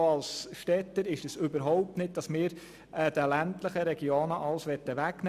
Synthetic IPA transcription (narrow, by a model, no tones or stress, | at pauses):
ɑlsʃtɛt̪ːəɾɪʃdɛsʏbəɾɦɔʊp̚tnɪt̚d̥ɑsmɪːɾ | ɛd̥əlænt̪ləχəɾɛɡjoːnəʔɑlsʋɛtːəʋækn